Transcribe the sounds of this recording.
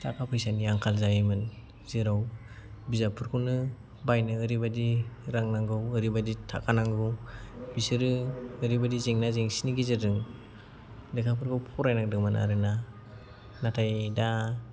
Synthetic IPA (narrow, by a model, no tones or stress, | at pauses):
tʰakʰapʰɯjsaniaŋkʰalzajmɯn | z̥iɾaw | bizapʰɯɾkʰɯwnɯ | bajnɯɯɾibadiɾaŋnaŋɡɯwɯɾibaditʰa̰kʰanaŋɡɯwbisɯɾɯɯɾibadizeŋnazeŋsiniɡizɯdɯŋ | dɯkʰapʰɯɾkʰɯwpʰɔɾajnak̚dɯŋmɯna̰ɾɯna | natʰajda